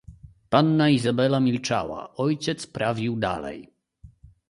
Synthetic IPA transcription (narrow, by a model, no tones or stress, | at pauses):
panːaizabɛlamʲilt͡ʂa̰wa̰ɔjt͡ɕɛt̪spɾavʲiwd̪a̰lɛ̰j